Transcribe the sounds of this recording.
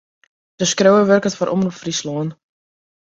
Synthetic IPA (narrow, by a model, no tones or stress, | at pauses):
d̥əskrowəʋørkətfɔɾʔɔ̰mrɔpfrisloən